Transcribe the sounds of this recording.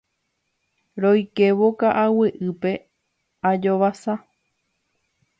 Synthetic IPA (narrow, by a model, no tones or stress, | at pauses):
ɾojke̞ʋokaʔaweʔɨpe̞ | ad͡ʒoʋasa